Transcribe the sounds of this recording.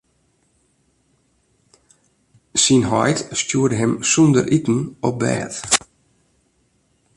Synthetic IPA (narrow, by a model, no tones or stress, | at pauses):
sinɦɔ̰jtstjuərdəɦɛmsundərʔitn̩ɔp̚bɛ̰ːt